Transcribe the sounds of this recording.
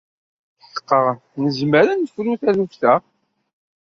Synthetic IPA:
θə̥qːəʁ | nəzməɾənfɾuθæðufθæ

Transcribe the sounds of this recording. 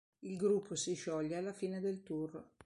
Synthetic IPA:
ilɡɾupʰːosiʃɔʎːealːafiːned̪elt̪ur

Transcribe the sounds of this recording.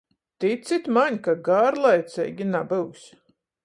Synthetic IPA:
t̪isit̪ʲmaɲʲkaɡaːɾlˠajt̪sʲɛ̰jɡʲinabɨwsʲ

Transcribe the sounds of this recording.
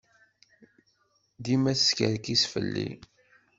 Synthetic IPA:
d̪imæsskə̰ɾkisfə̰lːḭ

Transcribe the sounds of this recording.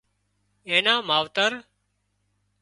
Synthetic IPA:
ẽːnãːmaːʋt̪əɾ

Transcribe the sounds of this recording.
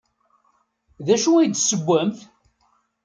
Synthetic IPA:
ðæʃuæjd̪səɡʷːæmθ

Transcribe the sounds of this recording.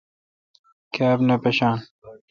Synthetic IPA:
kʰaːbnɐpɐɕaːn

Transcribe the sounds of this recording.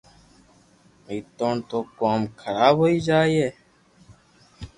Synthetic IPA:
iːt̪oːɳt̪oːkoːmkʰəɾaːbɦoːiːd͡ʒaːiːeː

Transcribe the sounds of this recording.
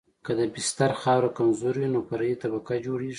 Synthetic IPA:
kad̪əbɪst̪aɾxɑwɾakanzʊɾwinopaɾəjit̪abakad͡ʒoɽeʐi

